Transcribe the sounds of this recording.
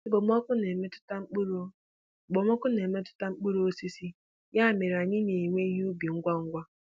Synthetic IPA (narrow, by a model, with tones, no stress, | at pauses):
ɪ˦bo˨mɔ˦kʊ˦ne˨me˦tʊ̥˦t̩˦k͡pu˦ɾ | ɡ͡bo˨mɔ˦kʊ˦ne˨me˦tʊ̥˦ta˦ŋ͡m̩˦k͡pu˦ɾo˦si˦si˦ | ja˦˨me˨ɾa˨ɲɪ˦ne˨i˨ŋʷe˦i˦ɦu˦bi˨ŋ̩˦ɡʷa˦ŋ̩˦ɡʷa˦